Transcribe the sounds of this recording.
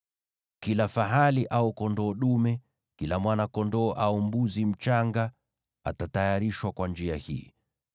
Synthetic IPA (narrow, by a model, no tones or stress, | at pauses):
kilafaɦaliʔaukɔndɔːɗumɛ | kilamwanakɔndɔːʔaumbuzim̩t͡ʃaŋɡa | a̰tatajaɾiʃwakwand͡ʒiahḭː